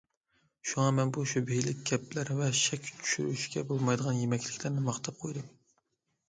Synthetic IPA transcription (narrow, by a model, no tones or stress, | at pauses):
ʃuŋɑmɛnbuʃubejlɪkʲɡʲɛplæɾvɛʃɛkʲt͡ʃʰy̥ʃyɾyʃɡʲɛbolˠmɑjd̪əʁɑnjemɛkʲlɪkʲlæɾnɪmɑχt̪ʰɑp̚qʰojd̪ɨm